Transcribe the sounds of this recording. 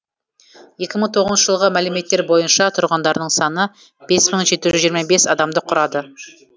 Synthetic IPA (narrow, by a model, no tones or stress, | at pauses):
je̞kʲɪməɴt̪ʰo̞ʁəzʃəʒəlˠʁəmælume̞t̪ːe̞ɾbo̞jənʃɑt̪ʰʊɾʁɑnd̪ɑɾd̪əɴsɑnə | b̥e̞sməɴʒe̞t̪ːɪʒʏzʒijəɾmɑbe̞sɑd̪ɑmd̪əqʰʊɾɑd̪ə